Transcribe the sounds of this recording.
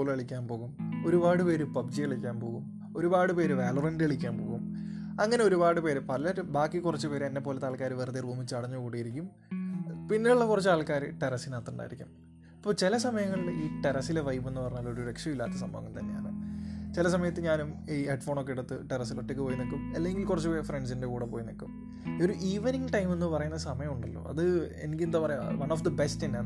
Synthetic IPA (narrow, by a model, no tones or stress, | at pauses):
oːlɐɭikʲːaːnpo̞ːɣumo̞ɾubaːɽɨpe̞ːɾɨpɐbd͡ʑijɐɭikʲːaːnpo̞ːɣum | o̞ɾubaːɽɨpe̞ːɾɨʋeːlurɐndɐɭikʲːaːnpo̞ːɣum | ɐŋːɐne̞oɾubaːɽɨpe̞ːɾpɐlɐɾbaːkːikurɐt͡ɕːɨpe̞ːɾenːe̞pːo̞ːle̞t̪ːaːɭkaːɾɨʋerðiruːmit͡ɕːɨɐɽɐɲːukuːɽijiɾikʲːum | pinːiuɭːɐkurɐt͡ɕːɨaːɭkaːɾɨʈeɾɐsinaːt̪ːuɳɖa̰ːjiɾikʲːum | ɐpːoːt͡ɕilɐsɐmɐjɐŋːɐɭiɭiːʈeɾɐsileʋɐjbenːɨpɐrɐɲːɐlːooɾuɾekʂjɐmilːaːt̪ːɐsɐmbɐ̰ʋɐkːumt̪ɐnːeja̰ːɳɨt͡ɕilɐsɐmɐjɐt̪ːɨɲaːnumiːeɖfo̞ːɳokːeɽut̪ːɨʈeɾɐsiloʈːek̬ʲːɨpoːjinokːumɐ̰lːeŋɡilkurɐt͡ɕːɨpoːjɐfreɳɖsinde̞kuːɽɐpo̞ːjinokːum | o̞ɾuʔiːʋɐniŋɡʈɐjme̞nːɨpɐrɐjunːɐsɐmɐjɐmuɳɖɐlːo̰ːʔɐ̰ðɨḛnikʲːilend̪aːpɐrɐjuʋɐnoːfd̪ɐbe̞stinːeaːɳɨ